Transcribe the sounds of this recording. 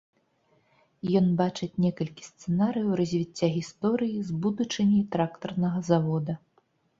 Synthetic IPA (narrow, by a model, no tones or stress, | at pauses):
jɔnbat͡ʂɨt͡sʲnʲɛkɐlʲkʲi̥st̪sɛnaɾɨjɐwɾɐzʲvʲit͡sʲːaɣʲist̪ɔɾɨjizbud̪ut͡ʂɨmʲit̪ɾakt̪ɐrnɐɣɐzavɔd̪ɐ